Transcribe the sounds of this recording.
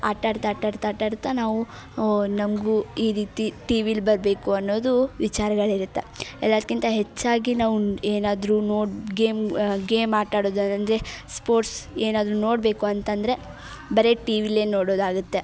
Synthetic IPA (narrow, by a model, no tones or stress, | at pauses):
a̰ːʈaːɾt̪aːʈaːɾt̪aːʈaːɾut̪ːɐnaːʋu | nɐmɡuiːɾiːt̪iʈiːʋilbɐɾbe̞ːkuɐnːo̞ːd̪uʋit͡ʃaːɾɐɡɐɭiɾut̪ːe̞ɛlːaːd̪̚kint̪ɐɦet͡ʃːaːɡinaːʋueːnaːd̪ɾunoːɽɡeːmɡeːmaːʈaːɽoːd̪ɐnɐnd̪ɾe̞spo̞ːɾʈseːnaːd̪ɾuno̞ːɽbe̞ːkuɐnt̪ɐnd̪ɾe̞ | bɐɾe̞ʈiːʋile̞ːno̞ːɽo̞ːd̪aːɡut̪ːe̞